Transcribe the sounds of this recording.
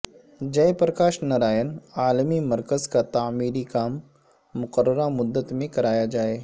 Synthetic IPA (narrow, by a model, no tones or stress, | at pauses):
d͡ʒɐjpɾəkaːʃnɐɾaːjənaːlmimɐɾkəzkat̪aːmiːɾikaːmː | ʊqəɾːəɾamʊd̪ːət̪mẽkɐɾaːjad͡ʒaːeː